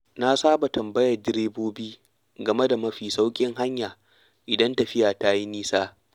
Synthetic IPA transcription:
na˦saː˦ba˨tɐ˨mbɐ˦jɐ˨rd͡ʒɪ˦ɾeː˦boː˦biː˦ | ɡɐ˨me˦da˨mɐ˦ɸiː˨sa˦wkʲʼɪ˦ŋɦa˦ɲjaː˨ | ʔɪ˨dɐ˦ntɐ˨ɸɪ˦jaː˨ta˦ji˦niː˦saː˦

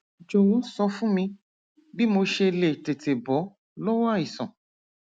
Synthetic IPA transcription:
d͡ʒo˨wo˨˦sɔ˧fũ˦mĩ˧ | bi˦mo˧ʃe˧le˨te˨te˨bɔ˨˦ | lɔ˦wa˦˨i˨sɔ̰̃˨

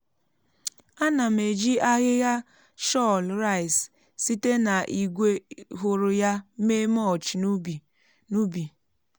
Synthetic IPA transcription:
a˦na˨m̩e˨d͡ʒi˦a˦ɣɪ˦ɣa˦ | ʃɔ˦lɾa˦˨js | si˦te˦na˨ʔi˨ɡʷe˦ɦo˨ɾʊ˨ja˦me˦mɔ˦˨t͡ʃbi˨ | nu˦bi˨

